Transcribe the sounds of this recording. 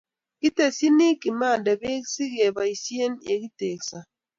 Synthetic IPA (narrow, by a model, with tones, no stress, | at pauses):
ki˦te˨si˦ni˦ki˨ma˦˨da˨be˦ksi˦ɡe˨ba˨i˨si˦e˦njḛ˨ki˦te˨ksa˨